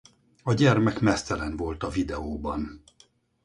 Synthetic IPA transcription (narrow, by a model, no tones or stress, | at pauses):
ɒɟɛrmɛkmɛst̪ɛlɛnvo̞lt̪ɒvid̪ɛoːbɒn